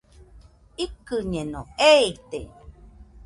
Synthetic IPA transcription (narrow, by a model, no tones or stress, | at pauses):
ikɨɲẽnõ̰eit̪e